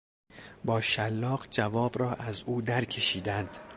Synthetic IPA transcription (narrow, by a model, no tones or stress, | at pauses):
bɒːʃælːɒːɢd͡ʒævɒːbɾɒːʔæzuːd̪æɾcʰe̞ʃiːd̪ænd̪̥